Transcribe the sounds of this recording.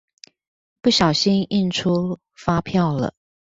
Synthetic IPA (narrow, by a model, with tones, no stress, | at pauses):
pu˥˩ɕjɑ˨˩ʊɕi˥ni˥˩nʈ͡ʂʰu˥ | fa˥pʰjɑ˥˩ʊlə̰˩